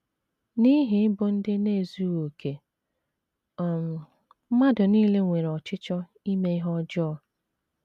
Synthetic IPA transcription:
ni˦ɦɪ˨˦bʊ˦n̩˦dɪ˦ne˦˨zu˦wo˨kʰe˨ | ɔ˨m̩˨˦ | ma˦dʊ˨niː˦le˦ŋʷe˨ɾɔ˨t͡ʃɪ˦t͡ʃɔ˦ | i˦me˦i˦ɦɔ˦d͡ʒɔ˦ɔ˦

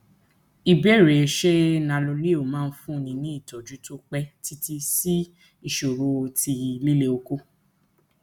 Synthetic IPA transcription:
i˨bɛ˦˨ɾe˨ʃe˦nã˧lo˧le˦o˨mãː˦˧n̩˦fũ˦˨nĩ˧nĩ˦i˦˨tɔ˨d͡ʒu˨˦to˦k͡pɛ˦ti˦ti˧si˦ | i˦˨ʃo˨ɾo˧ti˧li˦le˦o˧ko˦

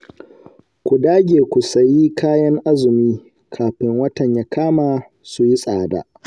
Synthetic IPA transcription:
kʷu˨daː˦ɡʲeː˨kʷu˨sɐ˨jiː˦kʰaː˦jɐ˦ŋʔa˦zʊ˨miː˦ | kʰaː˨ɸɪ˦ŋwɐ˦tɐ˨ɲjaː˦kʰaː˦maː˨ | su˨ji˦sʼaː˨da̰ː˨

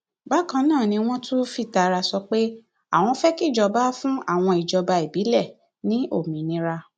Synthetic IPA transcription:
ba˦˨kã˧nãː˦˨nĩ˧w̃ɔ̃˦tu˦fi˦˨ta˨ɾa˧sɔ˧k͡pe˦ | a̰˦˨w̃ɔ̃˧fɛ˦ki˦˨d͡ʒɔ˧ba˦fũ˦a̰˦˨w̃ɔ̃˧i˨d͡ʒɔ˨˧ba˧i˨bi˨˦lɛ˦˨ | nĩ˦o˦˨mĩ˨nĩ˨˦ɾa˧

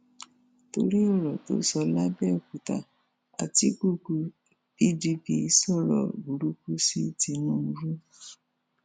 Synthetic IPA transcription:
to˧ɾi˦ɔ˦˨ɾɔ˨to̰˨˦sɔ˧la˦bɛ˦˨o˨ku˨ta̰˨ | a˨ti˨˦ku˦˨ku˧ | pi˦˨di˧˦pi˧˦sɔ˦˨ɾɔ̰˨bu˨ɾu˦ku˦si˦˨ti˧nũ˦˧ɾu˦

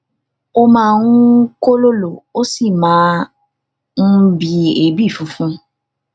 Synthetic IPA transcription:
o˦mãː˦˨˧nũ˦ko˦lo˦lo˨o˦si˦˨mãː˨˦ | n̩˦bi˧e˨˦bi˦˨fũ˨˦fũ˦

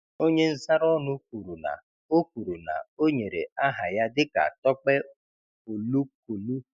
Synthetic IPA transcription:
o˦ɲe˦n̩˦sa˦ɾɔ˦nʊ˦k̚u˨ɾu˨na̰˨ | o˦kʷu˨ɾu˨na̰˨o˦ɲe˨ɾḛ˨a˦ɦa˨ja˦dɪ˦ka̰˨tɔ˦k͡pe˦ | o˨lu˦ko˨lu˦

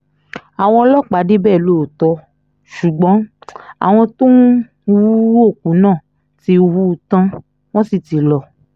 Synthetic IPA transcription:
a˨w̃ɔ̃˧ɔ˧lɔ˦k͡pa˨˦de˦bɛː˦˨lo˦˨tɔ˧˦ | ʃu˨ɡ͡bɔ̃˨˦a̰˨w̃ɔ̃˧to˦˧ | wu˦wo˦˨kũ˨˦nãː˦˨ | ti˧˦u˧wu˦˧tã˧ | w̃ɔ̃˦si˧ti˨˧lɔ˧

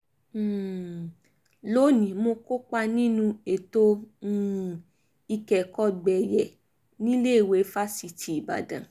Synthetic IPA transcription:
lo˦nĩ˨mo˧ko˦k͡pa˧nĩ˦nũ˧e˨to˦ | i˧kɛ˨kɔ˦˨ɡ͡bɛ˨jɛ˨ | nĩ˦le˦i˨we˧˦fa˦si˧tʰi˨i˨ba̰˨dã̰˨

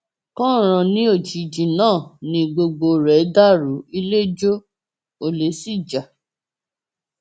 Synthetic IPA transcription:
kɔ̃˦˨ɾ̃ã˧nĩ˦o˦˨d͡ʒi˨˧d͡ʒĩ˨nãː˦˨nĩ˧ɡ͡bo˧ɡ͡bo˧ɾɛ˨˦da˦ɾu˨˦i˧le˦d͡ʒo˦ | o˧le˨˦si˦˨d͡ʒa˨

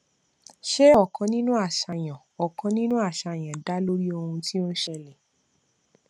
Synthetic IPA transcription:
ʃe˦ɔ˦˨kʰã˨˦nĩ˦nũ˦a˦˨ʃa˧j̃ã˨ɔ˨kã˧˦nĩ˦nũ˦a˦˨ʃa˧˨j̃ã˨da˨˦lo˦ɾi˦o˧hũ˧ti˦o˦n˦ʃɛ˦lɛ˨

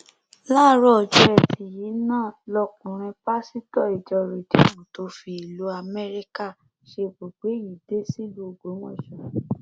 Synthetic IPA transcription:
la˦˨˦ɾɔ˦ɔ˨d͡ʒu˧˦ɛ˧˨tʰi˨ji˨˦nãː˦˨lɔ˧kũ˨ɾ̃ĩ˧pa˦si˦tɔ˦˨i˨d͡ʒɔ˧ɾu˨ti˨˦mũ˨to˨˦fi˧i˨lu˨˦a˧mɛ˦ɾi˦ka˦˨ | ʃe˧bo˨ɡ͡be˨˦ji˨de˦si˦ɡ͡bo˦˨ɡ͡bo˨˦w̃ɔ̰̃˦˨ʃɔ˨

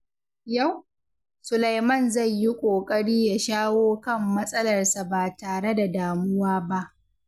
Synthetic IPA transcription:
ja˦˨w | sʊ˨la˨jmɐ˦˨nzɐ˦˨ɲji˦kʷʼoː˨kʼɐ˦ɽiː˦ja˦˨ʃaː˦woː˦kɐ˦˨mːɐ˦sʼɐ˦lɐ˨rsa˨baː˨taː˨ɽe˦da˨daː˨mʊ˦waː˦ba˦ʔ

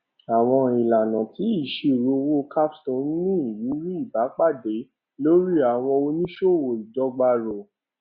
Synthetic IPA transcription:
a˨w̃ɔ̃˧i˨la˨nã˨ti˨˦i˦˨ʃe˧˨ɾo˧wo˦kʰa˦pstɔ̃˦n˦nĩ˦i˨ji˨˦ɾi˦i˦˨ba˨˦k͡pa˦˨de˨˦ | lo˦ɾi˦a˨w̃ɔ̃˧o˧nĩ˦ʃo˦˨wo˨dɔ˨˧ɡ͡ba˧ɾo˨

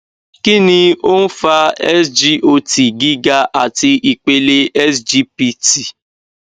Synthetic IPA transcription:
ki˦nĩ˧o˦n̩˦fa˧ɛ˦sd͡ʒi˦ʔo˧ti˨ɡi˦ɡa˧ʔa˨ti˧ʔi˨k͡pe˧le˧ɛ˦sd͡ʒi˦pi˧ti˨

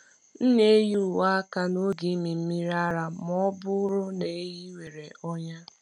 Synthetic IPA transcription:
n̩˦ne˦e˦ju˦˨wa˦ka˨no˦ɡi˨˦mi˨m̩˦mi˦ɾa˦ɾa˨mɔ˦bʊ˦ɾʊ˦ne˨e˦ɦi˦we˨ɾe˨ʔɔ˦ɲa˦

